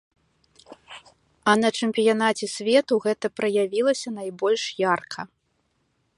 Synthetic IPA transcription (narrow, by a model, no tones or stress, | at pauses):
ɐnɐt͡ʂɨmpʲijanat͡sʲɛsʲvʲɛt̪uɣɛt̪ɐpɾɐjavʲilˠɐsʲɐnajbɔlʲʂjarkʰɐ